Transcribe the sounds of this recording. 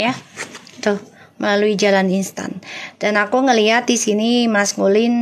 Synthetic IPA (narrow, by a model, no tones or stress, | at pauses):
jat̪ʊh | məlaluid͡ʒalaninst̪a̰nd̥anakuŋəliɦat̪̚disinimaskulɪn